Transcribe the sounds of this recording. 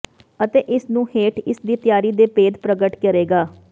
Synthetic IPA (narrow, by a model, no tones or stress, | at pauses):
ət̪eːʔɪsnũːheːʈɪsd̪iːt̪ɪjaːɾiːd̪eːpeːd̪pɾəɡəʈkəɾeːɡaː